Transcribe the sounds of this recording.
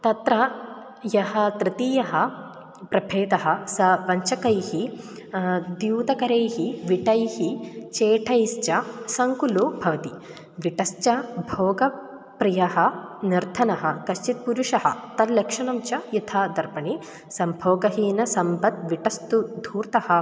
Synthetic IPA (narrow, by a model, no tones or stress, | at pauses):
t̪ɐt̪ɾɐ | jɐhɐ̆t̪ɾɪt̪iːjɐɦɐ | pɾɐbʱʰeːd̪ɐɦɐsɐʋɐɲt͡ʃɐkɐjhi | d̪juːd̪ɐkɐɾeːhiʋiʈɐjhit͡ʃeːʈʰɐjst͡ʃɐsɐŋkulubʱɐʋɐt̪i | ʋiʈɐst͡ʃɐbʱoːɡɐ | pɾijɐɦɐniɾt̪ʰɐnɐɦɐkɐʃt͡ʃit̪̚puɾuʂɐɦɐ̰t̪ɐlɐkʂɐɳɐmt͡ʃɐit̪ʰaːd̪ɐɾpɐɳi | sɐmbʱoːɡɐɦiːnɐsɐmbɐt̪̚ʋiʈɐst̪ud̪ʱuːɾt̪ɐhɐ